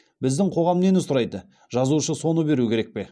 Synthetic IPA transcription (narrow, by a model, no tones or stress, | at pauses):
bɪzd̪ɪɴqʰo̞ʁɑmnenɪzʊɾɑjd̪ə | ʒɑzuʃəso̞nəbe̞ɾukʲʰe̞ɾe̞k̚pe̞